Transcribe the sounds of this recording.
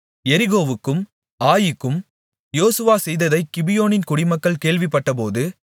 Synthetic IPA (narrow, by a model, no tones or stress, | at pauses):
ɛɾɪɣoːʋɯkːɯm | aːjɪkːɯm | joːsɯʋaːsɛjðɐðɐɪkːɪbɪjoːnɪnkʊɽɪmɐkːɐɭkeːɭʋɪpːɐʈːɐpoːðɯ